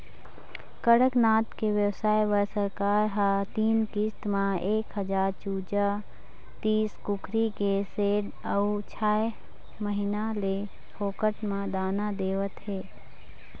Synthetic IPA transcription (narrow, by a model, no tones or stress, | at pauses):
kəɽəknaːt̪keʋjəwsaːeʋəɾsəɾkaːɾɦat̪iːnkist̪mãeːkɦəd͡ʒaːɾt͡ʃuːd͡ʒa | t̪iːskukʰɾikeseːɖ | əut͡ʃʰaːe | məɦinale | hʰoːkəʈmãd̪aːnad̪eːʋət̪ɦeː